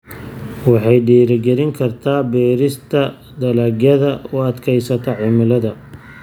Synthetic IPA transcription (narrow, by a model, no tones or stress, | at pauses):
wɑħɑjɖiːɾɪɡɛɾɪŋkʰɐrt̪ʰaːbɛːɾɪst̪ʰɐ | d̪ɐlɐɡjɐðɐʊɐd̪kʰɛjsɐt̪ʰɐʕɪmɪlɐðɐ